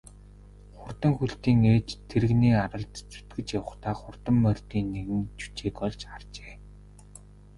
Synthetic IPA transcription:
χʊrt̪ə̆ŋxuɬt̪iːŋeːt͡ɕt̪ʰːeɾɘ̆ɣniːaɾə̆ɮt̪t͡su̥t̪ɡɘ̆t͡ɕjawə̆χt̪aːχʊr̥t̪ə̆mːœr̥ʲt̪iːnːeɣɘ̆nt͡ɕu̥t͡ɕeːkɔɮt͡ɕart͡ɕe̥ː

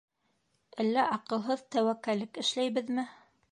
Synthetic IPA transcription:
ælːæʔɑqɤ̆lˠɦɤðt̪æwækːælɘkɘ̆ʃlæjbɘðmɘ

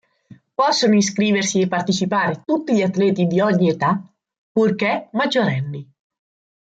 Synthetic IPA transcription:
pɔsːonoinskɾiːversiepːart̪it͡ʃipaːɾet̪ut̪ːiʎiat̪ːlɛːt̪id̪iɔɲːiet̪a | pːurk̟emad͡ʒːoɾɛnːi

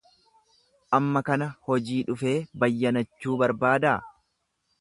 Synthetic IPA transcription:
ʔɐmːɐkɐnɐhɔd͡ʒiːᶑʊfe̞ːbɐjːɐnɐt͡ʃːuːbɐɾbaːd̪aː

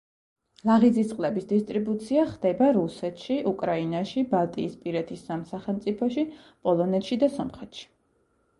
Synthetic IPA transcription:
lˠaʁid̪zisqʼlɛbisd̪ist̪ʼɾibut̪sʰiaχd̪ɛbaɾusɛt̪ʰʃiʔukʼɾainaʃibalˠt̪ʼiːspʼiɾɛt̪ʰisːamsaχɛlˠmt̪sʼipʰɔʃi | pʼɔlˠɔnɛt̪ʃid̪asɔmχɛt̪ʃi̥

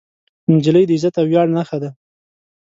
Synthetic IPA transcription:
nd͡ʒɪləjd̪əɪzat̪awjɑɽnaxad̪a

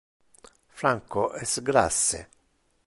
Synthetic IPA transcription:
fɾaŋkoʔɛsɡɾa̰sːḛ

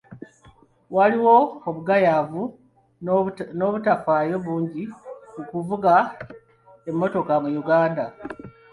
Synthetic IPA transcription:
waliwo̞ːβuɡajavu | no̞βutafaːjo̞βuːɲɟikukuvuɡa | e̞mːo̞to̞kamujuɡaːnda

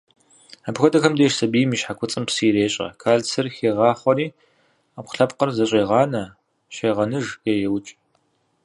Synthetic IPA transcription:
abxʷɔdɐxɐmdeːʂsɐbijmiːʃħakʷʰʊt͡sʼɨmpsiːɾeːɕʼɐ̰kʰaːɮt͡sʰɨrxeːʁɑːχʷɔɾiː | ap̚ʷʊ̥ɬɐpqɐrzɐɕʼeːʁɑːnɐ | ɕeːʁɐnɨʒeːjɛwt͡ʃʼ

